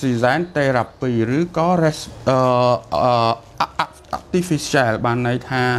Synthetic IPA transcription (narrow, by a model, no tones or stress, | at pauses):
sizaɛnt̪eːrapːiːrɨːkɑːrɛsʔəː | ʔa̰k̚t̪ifisialɓaːnːɨjt̪ʰaː